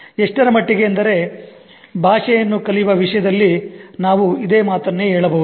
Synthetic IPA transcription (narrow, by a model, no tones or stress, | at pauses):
eʂʈɐɾɐmɐʈːiɡe̞ɐnd̪ɐɾe̞ | bʱaːʂɛjɐnːukɐlijʋɐʋiʂɐjɐd̪ɐlːinaːʋuid̪eːmaːt̪ɐnːeɦeːɭɐbɐʋud̪u